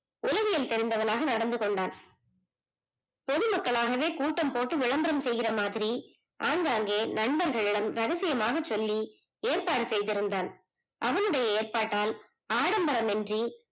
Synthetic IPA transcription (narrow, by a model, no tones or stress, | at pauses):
ʊlɐɣɪjɪlt̪ɛɾɪnd̪ɐʋɐnaːɣɐnɐɽɐnd̪ɯkɔɳɖaːn | pɔðɯmɐkːɐɭaːɣɐʋeːkuːʈːɐmpoːʈːɯʋɪɭɐmbɐɾɐmsɛjɣɪrɐmaːðɪɾi | ʔaːŋɡaːŋɡeːnɐɳbɐɾɣɐɭɪɽɐmɾɐɣɐsɪjɐmaːɣɐt͡ʃːɔlːi | eːrpaːɽɯsɛjðɪɾɯnd̪aːn | ʔɐʋɐnɯɽɐjɐeːrpaːʈːaːl | aːɽɐmbɐɾɐmɛndri